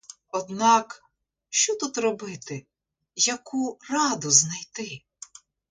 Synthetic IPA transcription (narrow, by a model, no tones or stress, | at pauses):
ɔd̪nɑk | ʃt͡ʃɔt̪ut̪rɔbɪt̪ɪ | jɐkurɑd̪ʊznɐjt̪ɪ